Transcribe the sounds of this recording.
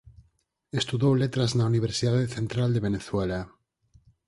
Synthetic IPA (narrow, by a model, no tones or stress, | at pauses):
est̪uðowlet̪ɾaznauniβ̞eɾsiðaðeθẽnt̪ɾald̪eβeneθwela